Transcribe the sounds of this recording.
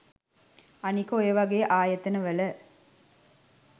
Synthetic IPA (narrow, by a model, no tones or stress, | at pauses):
ɐnikːojɐʋɐɡejʔaːjɐt̪ːɐnɐʋɐlɐ